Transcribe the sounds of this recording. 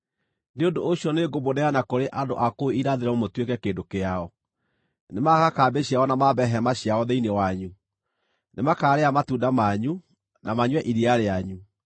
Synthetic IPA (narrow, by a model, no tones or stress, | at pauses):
neondooɕiɔneɡobonɛanakoɾeʔando̰ʔakoeiɾaðeɾɛomotwekɛkeːndokeaɔ | nemakakaːbeɕiaɔnamabɛɦɛmaɕjaɔðeinewaɲu | nmakaːɾeamatuːndamaɲu | namaɲwɛʔiɾiaɾeaɲu